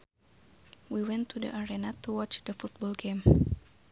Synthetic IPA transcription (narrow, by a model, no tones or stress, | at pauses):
wiwɛ̃nt̪ʰːudə̰ʔaɾɛnat̪uwɔt͡ʃdəfut̪̚bɔlɡem